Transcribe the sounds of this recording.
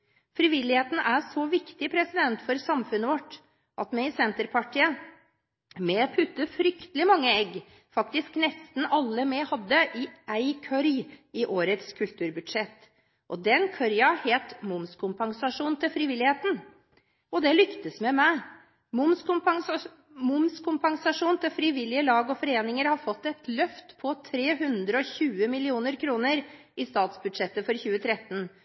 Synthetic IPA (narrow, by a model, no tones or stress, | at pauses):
fɾiːʋɪlːɪheːt̪n̩ʔæsɔʋɪkt̪ɪpʰɾɛsɪd̪ɛnt̪fɔɾsɑmfʉnːəʋɔʈː | ʔɑt̪mɛsɛnt̪əɾpʰɑʈʰiːə | mɛpʰʉt̪ːəfɾʏkt̪əlɪmɑŋːəɛɡː | fɑkt̪ɪsknɛst̪n̩ɑlːəmɛhɑd̪ːəʔɪʔæɪkʰœɾjɪʔoːɾət̪skʰʉlt̪ʰʉːɾbʉd̪ʂɛt̪ː | ʔɔd̪ɛnkʰœɾjɑheːt̪mʊmskʰʊmpɑŋsɑʂuːnt̪ʰɪlfɾɪʋɪlɪheːt̪n̩ | ɔd̪ɛlʏkt̪əsmɛmæɪ | mʊmskʊm | mʊmskʰʊmpɑŋsɑʂuːnt̪ʰɪlfɾɪʋɪlːɪəlɑːɡɔfɔɾeːnɪŋəɾhɑɾfɔt̪ːɛt̪ʰlœft̪pʰɔt̪ʰɾeːɦʉnd̪ɾəɔçʉːəmɪlɪuːnəɾkʰɾuːnəɾ | ɪst̪ɑːt̪sbʉd̪ʂɛt̪ːəfɔɾçʉːət̪ʰɾɛt̪ːən